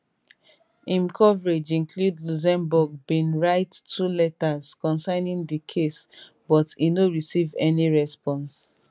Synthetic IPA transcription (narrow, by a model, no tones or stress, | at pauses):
ĩmkʰɔvɹed͡ʒĩnkʰludluz̬ɛ̃mbuɡ̚bĩnɹaɪtʰːulɛtaz̥kɔ̃nsanĩŋdikʰes | bɔtinoɹisivɛniɹɛspɔ̃ns